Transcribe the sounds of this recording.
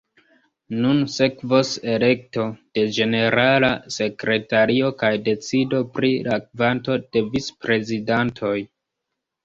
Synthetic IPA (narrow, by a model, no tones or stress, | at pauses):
nunse̞kvose̞le̞k̚to̞d̥e̞d͡ʒe̞ne̞ɾalase̞kɾe̞taɾio̞kajde̞t͡sido̞pɾilakvanto̞d̥e̞vispɾe̞zidantʰo̞j